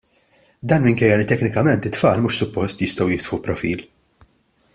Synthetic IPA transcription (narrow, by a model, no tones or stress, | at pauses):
d̪ɐːnmɪŋkɛjːɐlɪt̪ɛknɪkɐmɛnt̪ɪt̪fɐːlmuʃsʊpːɔst̪jɪst̪ɐwjɪkt̪fupɾɔfiːl